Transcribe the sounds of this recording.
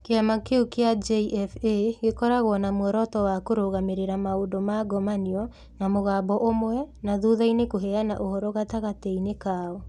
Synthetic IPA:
keamakeukead͡ʒeiʔɛfeɣekɔɾaɣwɔnamwɔɾɔtɔwakoɾoɣameɾeɾamaodomaɡɔmaniɔ | namoɣabɔʔomwɛnaðuðainekoɦɛanaʔohɔɾɔɣataɣatɛinekaɔ

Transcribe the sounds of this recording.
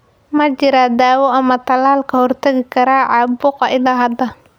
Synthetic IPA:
mɐt͡ʃɪɾad̪aːwɔɐmɐt̪ʰɐlaːlkʰɐhɔrt̪ʰɐɣɪkʰɐɾaːʕɑbʊqɐɪlaɦɐd̪ɐ

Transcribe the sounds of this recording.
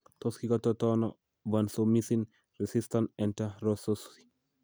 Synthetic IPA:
t̪oskikat̪ɔtɔnɔ | vansomisin | ɾisistanɛntaɾososki̥

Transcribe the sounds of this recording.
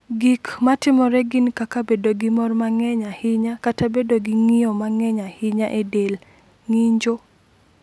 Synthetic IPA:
ɡikmatɪmɔɾɛɡinkakabedoɡɪmɔrmaŋɛɲahɪɲakatabedoɡiŋiɔmaŋɛɲahɪɲaʔedel | ŋiɲd͡ʒo

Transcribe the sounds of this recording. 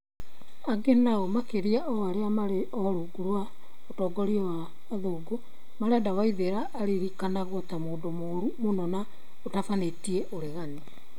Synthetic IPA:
aɡenaɔmakeɾiaʔɔaɾeamaɾe | ɔɾoɡuɾwa | otɔːɡɔɾiɔwaː | ðoːɡo | maɾadawaiðeɾaʔːɾiɾikanaɣotamoːndomoɾumonɔna | otafanetiɛʔoɾeɣane

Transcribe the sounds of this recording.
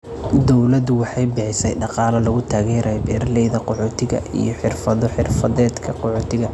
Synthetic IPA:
d̪ɔwlɐd̪ʊwɑħɑjbɪħɪsɛjɖɑqɑːlɐlɐɣʊt̪ʰaːɣɛːɾɛjbɛːrlɛjðɐqɔħɔːt̪ʰɪɣɐ̰ʔḭjɔħɪrfɐðɔħɪrfɐðɛːd̪kʰɐqɔħɔːt̪ʰɪɣɐ

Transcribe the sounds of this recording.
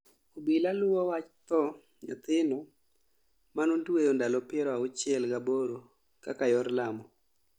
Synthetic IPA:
obilalʊwɔwat͡ʃt̪ɔ | ɲɔt̪ɪnɔ | manonduejondalɔpɪɛɾɔaʊt͡ʃɪɛlɡaboɾo | kakajɔɾlamɔ

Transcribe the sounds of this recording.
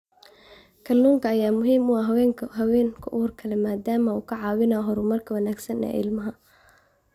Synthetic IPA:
kʰɐluːŋkʰɐːjaːmʊɦiːmʊɑɦwɛːŋʰɦɐwɛːŋkʰʊʔʊhʊrkʰɐlɛmaːd̪aːmɐuːkʰɐʕɑːwɪnɐɦɔɾʊmɐrkʰɐwɐnaːɡsɐnɛ̰ːʔɪ̰lmɐɦɐ

